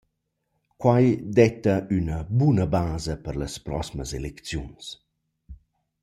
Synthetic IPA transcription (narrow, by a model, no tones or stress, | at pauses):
kwajd̪ɛt̪ɐynəbunəbaːzəpəɾləspɾɔ̰siməzelekt͡sjuns